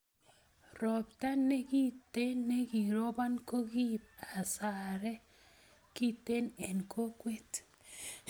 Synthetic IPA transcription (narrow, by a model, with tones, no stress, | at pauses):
ɾɔ˨pta˦ne˦ki˦te˦nːe˦ɡi˨ɾo˦ba˦nko˦ɡi˦p̚a˨sa˨ɾɛ˦ | ki˦te˦ne˨nkʰo˦kwe˦t